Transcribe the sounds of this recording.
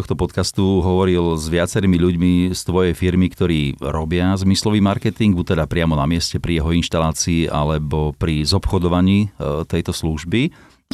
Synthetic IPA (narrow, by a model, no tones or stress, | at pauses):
ɔxt̪ɔpɔt̪kast̪uɦɔʋɔɾilzʋɪat͡sɛɾiːmiʎuɟmist̪ʋɔjɛjfiɾmikt̪ɔɾiːɾɔbɪazmislɔʋiːmaɾkɛt̪iŋɡ̚but̪ːɛd̪apɾɪamɔnamɪɛscɛpɾijɛɦɔinʃt̪alaːt͡siːʔa̰lɛbɔpɾizɔpxɔd̪ɔʋaɲiːt̪ɛjt̪ɔsluʒbi